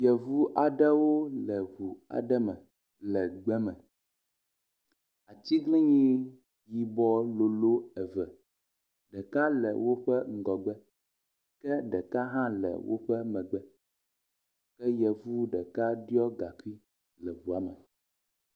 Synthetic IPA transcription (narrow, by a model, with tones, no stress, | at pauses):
jɛ˨vu˦ʔa˨ɖɛ˦wo˦lɛ˨βu˨a̰˨ɖɛ˦mɛ̃˨ | lɛ˨ɡ͡bɛ˦mɛ̃˨ | a˨t̪i˦ɡlĩ˦ɲĩ˦ | ji˨bɔ˦lo˨lo˦ɛ˨vɛ˨ | ɖɛ˨ka˦lɛ̰˨wo˦ɸɛ˦ŋ̩˦˨ɡɔ˨ɡ͡bɛ˦ | kɛ˦ɖɛ˨ka˦ɦã˦lɛ̰˨wo̰˦ɸɛ˦mɛ̃˨ɡ͡bɛ˦ | kɛ˦jɛ˨vu˦ɖɛ˨ka˦ɖi˦ɔ˦ɡa˨ki˦ | lɛ˨βu˨a˨˦mɛ˨